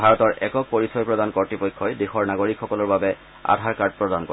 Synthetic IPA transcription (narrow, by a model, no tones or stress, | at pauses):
bʱaɹɔtɔɹʔɛkɔk̚poɹisɔjpɹɔdankɔɹtɹipɔjkʰːɔjdexɔɹnaɡoɹikxːɔkɔlɔɹbabɛ | a̰dʱaɹkaɹd̚pɹɔdankɔ